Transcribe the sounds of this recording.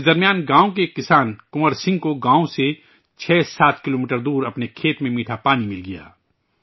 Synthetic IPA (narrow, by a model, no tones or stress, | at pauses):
sd̪ɐɾmijaːnɡãːõkekɪsaːnkʊməɾsɪ̃ŋɡ̚koɡãːõse | t͡ʃʰɛːsaːt̪kɪloːmiːʈəɾd̪uːɾɐpnekʰeːt̪mẽmiːʈʰapaːnimɪlɡija̰ː